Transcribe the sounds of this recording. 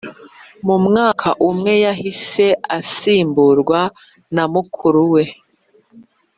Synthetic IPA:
mumŋaːkʰaʔumŋe̞jaɦise̞ʔasiːmbuɾɡwa | namukʰuɾuwe̞

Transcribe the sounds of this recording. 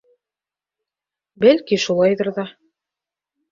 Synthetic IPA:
bælkiʃulˠɑjðɤɾðɑ

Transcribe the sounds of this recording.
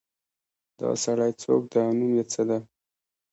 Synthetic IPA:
d̪ɑ̰saɽajt͡so̰k̚d̪aanumjet͡səd̪a

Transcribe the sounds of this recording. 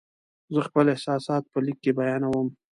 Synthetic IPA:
zəxpəlɪhsɑsɑt̪̚pəlikːebajɑnawəm

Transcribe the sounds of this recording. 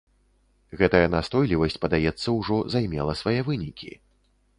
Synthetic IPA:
ɣɛt̪ɐjɐnast̪ɔjlʲivɐsʲt͡sʲpɐd̪ajɛt̪sːɐwʐɔzajmʲɛlˠɐsvajɛvɨnʲikʲḭ

